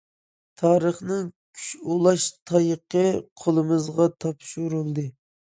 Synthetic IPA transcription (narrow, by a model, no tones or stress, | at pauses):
t̪ʰɑːɾəχnɨŋkʲʰy̥ʃulˠɑʃt̪ʰɑjəqəqʰolˠɨmɨzʁɑt̪ʰɑpʃuɾulˠd̪ɨ